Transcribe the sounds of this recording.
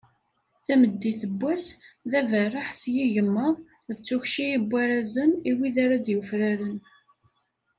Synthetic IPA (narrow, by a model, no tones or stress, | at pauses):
θæməd̪ːiθəbːæsðævərːaħsjiʝəmːəðˤ | ðət͡sːuçʃijibʷːæɾæzəniwiðaɾad̪jufɾaɾən